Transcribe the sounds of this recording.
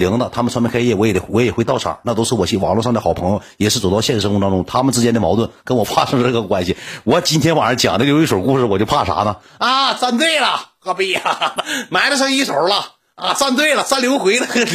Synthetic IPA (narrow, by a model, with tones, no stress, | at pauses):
li˧˥ŋd̪ə˨˧t̪ʰa˥mə˨nʈ͡ʂʰa˧˥pkʰa˥jɛ˥˩wɔ˧˥jɛ˨˩˥wɔ˧˥jɛ˨˩xwe˥˧t̪ɑ˥˩ʊʈ͡ʂʰɑ̰˨˩˦na˥˩t̪o˥ʂʰɹ̩˥˩wɔ˨˩ɕi˥˩wɑ̰˨˩ŋlwɔ˥˧ʂɑ˥˧ŋd̪ə˩xɑ˨˩ʊpʰɤ˧˥ŋjo˧˩jɛ˨˩ʂɻ̩˥˩t͡swt̪ɑ˥˧ʊɕjɛ˥˧ɻ̩˥˩ʂt̪ɑ˥ʈ͡ʂʊ˥ŋt̪ʰa˥mə˨nʈ͡ʂɻ̩˥t͡ɕjɛ˧˥nd̪ə˨mɑ˧˥ʊt̪wə˥˩nkə˥nwɔ˨˩fa˥ʂɤ˥ŋəʈ͡ʂɤ˥˩ə˩kwa˥nɕi˨˩wɔ˧˥t͡ɕi˥nt̪ʰjɛ˥nwa˨˩nə˞˧˥t͡ɕjɑ˨˩ŋd̪ə˧˥˧jo˧˥i˥˩ʂo˨˩˥ku˥˩ʂɻ̩˧˩wɔ˨˩t͡ɕo˥˧ʊpʰa˥˩ʂa̰˧˥nə˧˨ | ɐ˧t͡sa˥˧nt̪̬we˥˩ɪlɐ˨˩xɔ˧˩pi˧˥˩ | ma˧˥ɪɾə˧ʂ̬a˥i˥˩ʂo˨˩lɐ˧ | ɐ˥˧t͡sa˥˧nt̪̬we˥˩ɪlə˩sa˥nljo˧˥ʊxwe˧˥ɪd̪ə˧k